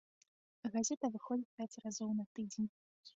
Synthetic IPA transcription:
ɣazʲɛt̪ɐvɨxɔd͡zʲipʲat͡sʲrazɔwnɐt̪ɨd͡zʲenʲ

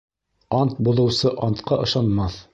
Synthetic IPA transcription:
ɑnt̪̚buðɤ̆wsɤʔɑnt̪qɑʔɤ̆ʃɑnmɑθ

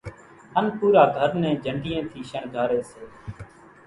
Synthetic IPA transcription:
hənpuːɾaːɡʱəɾnɛ̃ːd͡ʒʱəɳɖɪːẽːt̪ʰiːʃəɳɡʱaːɾeːseː

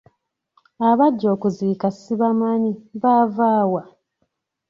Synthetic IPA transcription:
aβaɟːo̞ːkuziːkasiβamaniβaːvaːwa

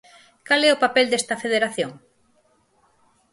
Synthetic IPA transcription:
kalɛʊpapɛld̪est̪ɐfeð̞eɾaθjoŋ

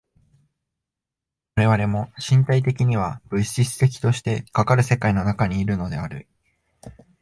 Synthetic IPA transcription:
βaɾe̞β̞aɾe̞mo̞ɕĩnt̪ait̪e̞kʲiɲ̟iβ̞ab̥ɯ̟ɕɕisɨ̥t̪e̞kʲi̥t̪o̞ɕi̥t̪e̞kakaɾɯ̟se̞kaino̞nakaɲ̟iːɾɯ̟no̞d̪e̞aɾɯ̟̰

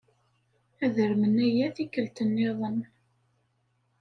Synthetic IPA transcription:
æðəɾmənæjæθikːəlt̪ənːeðˤən

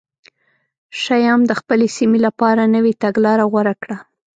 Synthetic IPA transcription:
ʃajɑmd̪əxpəlesimelapɑɾanəwet̪aɡlɑɾaɣwaɾakɽa

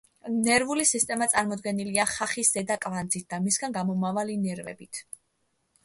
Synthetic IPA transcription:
nɛɾvulisist̪ʼɛmat̪sʼaɾmɔd̪ɡɛniliaχaχisz̥ɛd̪akʼvand̪zit̪̚d̪amisɡanɡamɔmavalinɛɾvɛ̰bit̪ʰ

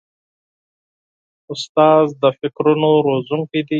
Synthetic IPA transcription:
ʊst̪ɑːzd̪əfɪkɾunoɾozuŋkid̪i

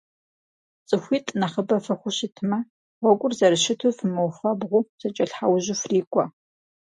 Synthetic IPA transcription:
t͡sʼɨxʷiːtʼnɐχəbɐfɐxʷʊɕɪtʰɨmɐ | ʁʷɔɡʷʼʊrzɐɾɨʃɪtʰufɨmɐwfɐbʁʷʊzɐt͡ʃʼɐɬħawʑɪfriːkʷʼɔ

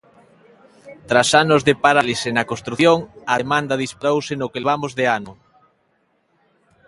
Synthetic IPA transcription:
t̪ɾasanozðepaɾalisenɐkõst̪ɾuθjoŋɐðemand̪ɐðispɾowsenʊkelβamozðeanʊ

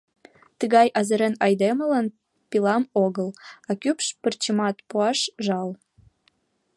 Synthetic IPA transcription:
t̪əɣɑjʔɑzəɾenɑjd̪emələn | pilɑmoɣəlɑkypʃpərt͡ɕəmɑt̪puɑʃʒɑl

